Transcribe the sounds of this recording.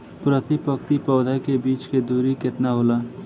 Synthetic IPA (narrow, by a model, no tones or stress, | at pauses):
pɾət̪ɪpəkt̪ipɔːd̪ʱakebiːt͡ʃked̪uːɾikɪt̪naɦoːlaː